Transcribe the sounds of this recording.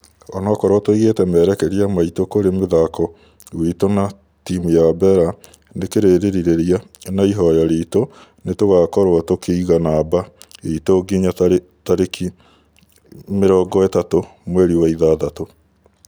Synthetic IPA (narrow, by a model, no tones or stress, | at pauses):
ɔnɔkɔɾɔtoiɣetɛmɛːɾɛkɛɾiamaitokoɾemeðakɔ | witona | timujabɛɾa | nekeɾeɾeɾiɾeɾianaiɦɔjaɾito | netoɣakɔɾotokeiɣanaːbaiːtoɡiɲa | taɾeki | meɾɔɡɔetatomweɾiwaiðaːðato